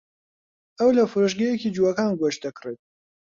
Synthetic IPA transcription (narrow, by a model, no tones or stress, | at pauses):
ɐwlɐfɨɾoʃɡɐjekid͡ʒuɐkaːnɡwɔʃt̪̚d̪ɐkret̪̚